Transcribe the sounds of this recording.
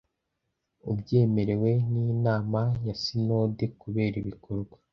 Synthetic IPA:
ubɟe̞ːme̞ɾe̞we̞ninaːmajasino̞ːde̞kuβe̞ːɾiβikʰoɾɡwa

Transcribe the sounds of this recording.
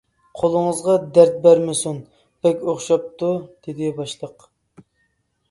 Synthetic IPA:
qʰolˠəŋəzʁɑd̪æɾt̪̚bæɾmɪsun | b̥ɛkʲoχʃɑp̚t̪ud̪̥ed̪ɪbɑʃlˠəq

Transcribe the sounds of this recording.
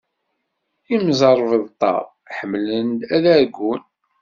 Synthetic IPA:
imzˤəɾˤvðt̪ˤːɑ̰ɾˤ | ħəmːlənd̪æðæɾɡʷːun

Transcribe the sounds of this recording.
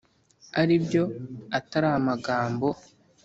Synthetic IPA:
aɾibjo̞ataɾaamaɡaːmbo̞

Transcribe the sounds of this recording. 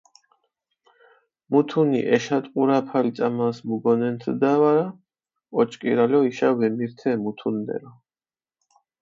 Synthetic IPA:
mut̪ʰunḭʔɛʃat̪ʼqʼuɾapʰalt̪sʼamasmuɡɔnɛnt̪ʰd̪awaɾa | ɔt͡ʃʰʼkʼḭɾalɔiʃawɛmiɾt̪ʰɛmut̪ʰunːɛ̰ɾɔ

